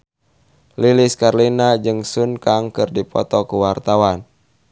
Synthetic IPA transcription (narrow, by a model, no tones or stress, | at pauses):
liliskarlinad͡ʒɨŋsunkaŋkɨrdipɔ̰t̪ɔkuwart̪awan